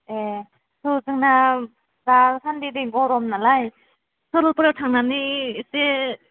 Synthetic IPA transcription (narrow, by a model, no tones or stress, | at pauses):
e | suzɯŋna | ɾasʰandidiŋɡɔɾɔmnalaj | sɔɾɔlpɯɾawtʰaŋnanise